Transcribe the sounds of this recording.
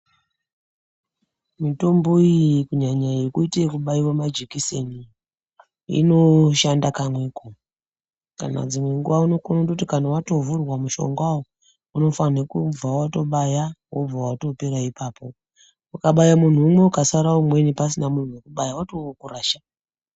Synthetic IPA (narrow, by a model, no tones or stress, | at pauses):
mito̞mbo̞ijkuɲaɲajekuitekuɓaiwamad͡ʒekiseni | ḭno̞ʃandakamweko | ka̰na̰d͡zimwe̞ŋɡuwauno̞konodotikanawato̞vurwamuʃo̞̰ŋɡawo | uno̞fanekub͡vawato̞ɓajawob͡vawato̞peɾaipaːpo̞ | ukaɓajamun̤uːmwe̞ukasaɾaumwe̞nipasinamun̤uwekuɓajawatookuraːʃḁ